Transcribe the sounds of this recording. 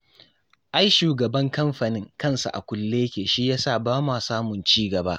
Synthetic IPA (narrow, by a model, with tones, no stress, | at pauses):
ʔa˦jʃuː˨ɡɐ˨bɐ˦ŋkɐ˦mɸa˨nɪ˦ŋkɐ˦˨nsa̰˨ʔa̰˨kʷʊ˦lːeː˦kʲeː˨ʃi˦jaː˦saː˦˨baː˦maː˨saː˦mʊ˨nt͡ʃiː˦ɡɐ˨baː˦ʔ